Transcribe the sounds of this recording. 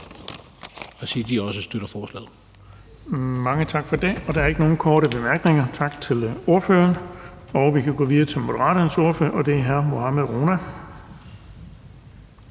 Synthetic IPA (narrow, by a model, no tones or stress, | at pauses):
æsid̥iɒ̽səsd̥øɾ̥ɐfɒːslɛ̰ːð̩ˠ | mɑ̈ŋət͡sʰɑ̈ɡ̥fɒd̥e̝ɒ̽d̥ɑ̈ɐe̝ɡ̥əno̝ːn̩kʰɒːɾəb̥e̝mæɐɡ̥ne̝ŋɐt͡sʰɑ̈ɡ̥̚t͡sʰe̝lo̝ɐfø̰ːɐn | ɒ̽ʊʋikʰæɡ̥o̰ːʋiðˠɐt͡sʰe̝lmo̝d̥əʁɑ̰̈ːɾ̥ɐnəso̝ɐføɐʔɒ̽d̥e̝æɐɦæɐmo̝hɑmæðˠʁoːnæ